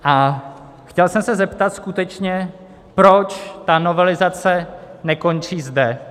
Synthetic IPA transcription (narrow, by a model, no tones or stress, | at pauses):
ʔa | xcɛlsɛmsɛzɛpt̪at̪skut̪ɛt͡ʃɲɛ | pɾo̞t͡ʃt̪ano̞vɛlɪzat͡sɛnɛko̞nriːzdɛ